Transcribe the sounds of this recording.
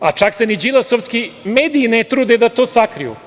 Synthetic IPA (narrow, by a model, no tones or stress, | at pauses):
a̰t͡ʃaksenid͡ʒilˠasoʋskimeːd̪iːnet̪ɾuːd̪ed̪at̪oːsakɾijṵ